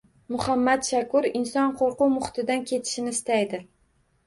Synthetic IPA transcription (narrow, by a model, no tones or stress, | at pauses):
mʊhamːat̪ʃakʊɾɪnsɒnqʰoɾqʊmʊχt̪ʰɪd̪ankʲʰe̞t̪ʰɪ̥ʃɪnɪːst̪ajd̪ɪ